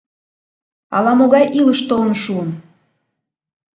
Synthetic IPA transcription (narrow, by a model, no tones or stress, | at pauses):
ɑ̰lɑmoɣɑjʔiləʃt̪olənʃuən